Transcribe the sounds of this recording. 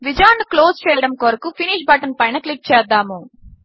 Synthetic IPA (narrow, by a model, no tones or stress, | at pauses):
ʋid͡ʒaːnɖkloːst͡ʃɛːjjɽɐmkoɾɐkupʰiniːʃbɐʈɐnpɐjnɐklik̚t͡ʃɛːd̪ːaːmu